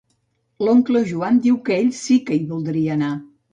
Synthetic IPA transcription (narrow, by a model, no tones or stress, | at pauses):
loŋkloʒuand̪iwkəeʎʲsikəiβulˠd̪ɾiəːna